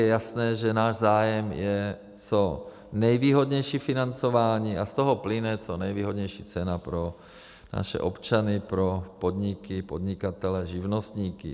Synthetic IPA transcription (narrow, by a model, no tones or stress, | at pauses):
jɛjasnɛːʒɛnaːʒzaːjɛmjɛ | t͡so | nɛjviːɦo̞d̪ɲɛjʃiːfɪnant͡sovaːɲiːʔast̪oɦoplɪnɛt͡sonɛjviːɦodɲɛjʃiːt͡sɛnapɾo̞ | na̰ʃɛ̰ʔo̞̰pt͡ʃanɪpɾopo̞d̪ɲɪkɪpodɲɪkat̪ɛlɛʒɪvnost̪ɲiːkɪ̰